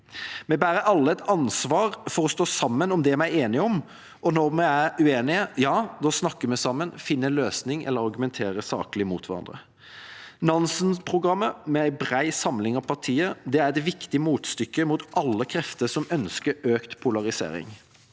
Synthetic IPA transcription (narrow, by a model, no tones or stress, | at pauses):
mɛbæːɾəɾɑlːəɛt̪ɑnsʋɑːɾfɔɾɔst̪oːsɑmːənɔmd̪ɛmæɪeːnɪəɔm | ʔɔnɔɾmɛæɾʉeːnɪəjɑːd̪ɔsnɑkːəmɛsɑmːənfɪnːəløːsnɪŋɛ̰lːəɾɑɾɡʉmɛnt̪ʰeːɾəsɑ̰ːklɪəmṵːt̪ʋæɾɑ̰nd̪ɾə̰ | nɑnsənpʰɾʊɡɾɑmːəmɛæɪbɾæɪsɑmlɪŋɑʋpʰɑʁʈʰiːəd̪ɛæɾɛt̪ʋɪkt̪ɪəmuːt̪st̪ʏkːəmuːt̪ʔɑlːəkʰɾɛft̪əsɔmœnskəɾøːkt̪pʰʊlɑʁɪsḛːɾɪ̰ŋ